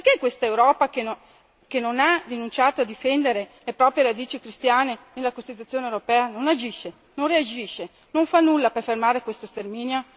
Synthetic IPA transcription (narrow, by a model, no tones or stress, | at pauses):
perkekwest̪aewɾɔːpake | kenonarinunt͡ʃaːt̪oad̪ifɛnd̪eɾelepɾɔːpɾjeɾad̪iːt͡ʃikɾist̪jaːnenelːakost̪it̪ut̪ːjoːnewɾopɛːanonad͡ʒiʃːe | nonread͡ʒiʃe | noɱfanːulːaperfermaːɾekwest̪ost̪ermiːnjo